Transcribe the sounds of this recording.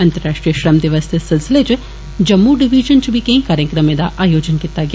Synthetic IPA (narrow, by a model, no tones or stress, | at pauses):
ɐnt̪ɐɾɾaːʂʈɾijɐʃɾɐmd̪jɐʋɐst̪ʰesɪlsɪlet͡ʃ | d͡ʒɐmːuɖiʋid͡ʒɐnt͡ʃubikẽkaːɾjɐkɾɐmed̪aʔaːjoːd͡ʒɐnkit̪ːaːɡ